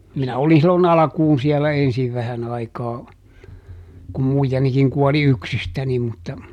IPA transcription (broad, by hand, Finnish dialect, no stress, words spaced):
minæ oli silːon ɑlɑ̆kuːn siɛlæ ensiʋ ʋæhæn ɑikɑː kum muijɑnikiŋ kuɔli yksistæni mutːɑ